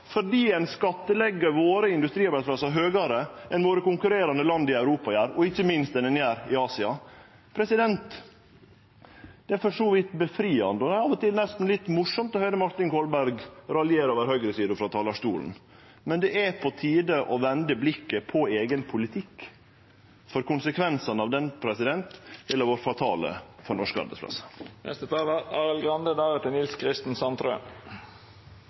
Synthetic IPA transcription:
fɔɖiːɛɪnskɑt̪ːəlɛɡːəʋoːɾəɪnd̪ʉst̪ɾiːɑbæflɑsɑɦøːɡɑɾəʔɛnʋoːɾəkʊŋkʉɾeːɾɑnd̪əlɑnd̪ɪæʉɾuːpɑjæːɾɔɪçːəmɪnst̪ɛnɛnjæːɾɪɑːsɪɑ | pʰɾɛsɪd̪ɛnt̪ | d̪̥ɛæɾfɔʂoːʋɪt̪bəfɾiːɑ̰nd̪əɔd̪ɛæɾɑʋɔt̪ɪlnɛst̪n̩lɪt̪ːmʊʂɔmt̪ɔhœʏd̪əmɑɾt̪ɪŋkʰɔːlbæɾɡɾɑljeːɾoːʋəɾhœɡɾəsiːd̪ʊfɾɑt̪ʰɑːlɑʂt̪uːln̩ | mɛnd̪ɛʔæpʰɔt̪ʰiːd̪əʔɔʋɛnd̪əblɪkːəpʰɔeːɡənpʰʊlɪt̪ʰɪkː | fɔɾkʊnsəkʰʋɛnsɑnɑʋd̪ɛnpʰɾɛsɪd̪ɛnt̪ɛlːəɾʋoːɾfɾɑt̪ʰɑ̰ːlə̰fɔɾnɔʂkɑ̰ɾbə̰spʰlɑ̰sːə̥nɛ̰st̪ət̪ʰɑːlɑɑːɾəlɡɾɑnd̪əd̪ɑːɾət̪ɪnɪlskʰɾɪst̪n̩sɑnt̪ɾø̰ː

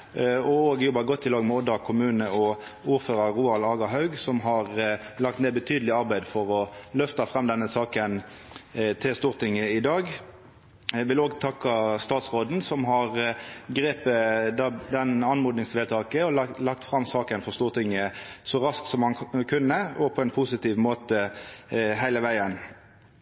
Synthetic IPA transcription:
ɔoːɡjɔbɑɡɔt̪ʰːɪlɑːɡmɛɔd̪ɑkʰʊmʉːnəɔuːʁføːʁɑʁʁuːɑlɑːɡɑɦɑʉɡsɔmɦɑʁlɑk̚t̪meːbət̪ʰyːd̪əlɪɑʁbæɪd̪fɔʁɔlœft̪ɑfʁɑmd̪ɛnːəsɑːkən | t̪ʰɪlst̪uːʁt̪ʰɪŋːəɪd̪ɑːɡ | ʋɪloːɡt̪ʰɑkːɑst̪ɑːt̪sʁoːd̪n̩sɔmɦɑʁɡʁeːpəd̪d̪ɛnɑnmuːd̪nɪŋsʋeːt̪ʰɑːkəɔlɑlɑkt̪fʁɑmsɑːkənfɔʁst̪uːʁt̪ʰɪŋːəsɔʁɑsksɔmhɑnkʰʉnːəɔpʰɔɛnpʰʊsɪt̪iːʋmoːt̪ə | ɦæɪləʋæɪən

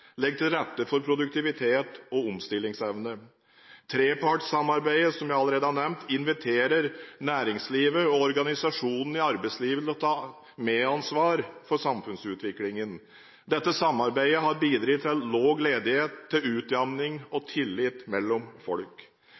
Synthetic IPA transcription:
lɛɡ̚t̪ɪlɾɛt̪ːəfɔɾpʰɾʊd̪ʉk̚t̪ɪʋɪt̪ʰeːt̪ɔɔmst̪ɪlːɪŋsɛʋnə | t̪ʰɾeːpʰɑʈsɑmːɑɾbæɪəsɔmjæɪɑləɾeːd̪əhɑɳɛmt̪ʰɪnʋɪt̪ʰeːɾəɾnæːɾɪŋsliːʋəɔɔɾɡɑnɪsɑʂuːnn̩ɪɑɾbæɪsliːʋət̪lɔt̪ʰɑː | meːɑnsʋɑːɾfɔʂɑmfʉnsʉːt̪ʋɪklɪŋən | d̪ɛt̪ːəsɑmːɑɾbæɪəɦɑɾbiːd̪ɾɪt̪ʰlloːɡleːd̪ɪheːt̪ʰːɪlʉːt̪jɑmnɪŋɔt̪ʰɪlːɪt̪mɛlːɔmfɔlk

